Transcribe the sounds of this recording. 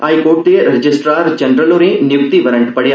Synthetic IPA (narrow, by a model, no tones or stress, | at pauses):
aːjkoːʈ̚t̪eɾɪd͡ʒɪsʈɾaːɾd͡ʒɐnɾəlõɾenjʊp̚t̪iʋəɾə̃ɳʈpɐɽja